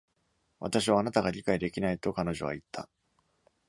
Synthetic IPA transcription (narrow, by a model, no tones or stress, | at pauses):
βa̰t̪aɕ̬iβaːnat̪aɡaɾʲikaid̪e̞kʲinait̪o̞kano̞ʑo̞̰βa̰it̪ʰːa